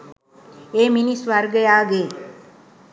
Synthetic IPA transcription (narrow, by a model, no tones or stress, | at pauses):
eːminisʋaɾɡəjaːɡeː